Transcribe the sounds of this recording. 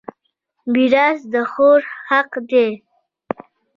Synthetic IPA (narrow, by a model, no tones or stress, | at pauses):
biɾɑsd̪əxoɾhaqd̪e